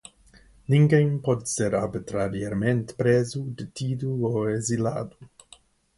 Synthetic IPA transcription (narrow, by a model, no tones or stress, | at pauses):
niŋkejmpot̪seɾaɾbit̪ɾaɾieɾment̪pɾezud̪etid̪uoezila̰ːd̪u